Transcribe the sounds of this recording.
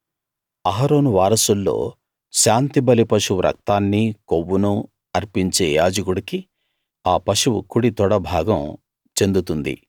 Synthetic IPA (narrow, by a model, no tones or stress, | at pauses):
ɐɦɐɾo̞ːnuʋaːɾɐsulːo̞̰ː | ʃaːnt̪ibɐlipɐʂuʋɾʔɐ̰k̚t̪aːnːikoʋːunu | ɐɾpiɲt͡ʃe̞ːjaːd͡ʒɐɡuɽiki | aːpɐʂuwṵkuɽit̪ɔɽɐbʱaːɡɐm | t͡ʃe̞nd̪ut̪und̪ḭ